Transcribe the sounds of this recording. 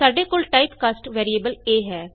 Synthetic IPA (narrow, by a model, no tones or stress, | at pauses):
aːɖeːkoːlʈaːipkaːsʈʋɛːɾieːbəleːɦɛː